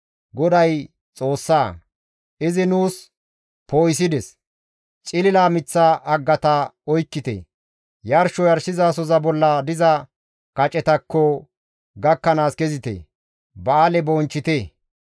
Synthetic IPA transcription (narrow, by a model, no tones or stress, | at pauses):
ɡɔd̪ɐj | t͡sʼoːsːaː | ʔɪzɪnuːs | poːjs̬ɪd̪ɛs | t͡ʃʼɪlɪlaːmɪt͡sːaʔɐɡːɐt̪ɐɔjkːɪt̪ḛ | jɐɾʃɔjɐɾsɪzaːs̬ɔzɐbɔlːɐd̪ɪzɐ | kɐt͡ʃʼɛt̪ɐkːɔ | ɡɐkːɐnaːskɛzɪt̪ḛ | bɐːlɛbɔːnt͡ʃːɪt̪e